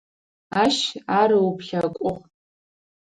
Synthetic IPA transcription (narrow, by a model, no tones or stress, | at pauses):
aʃaɾɨupɬakʷʼʊʁ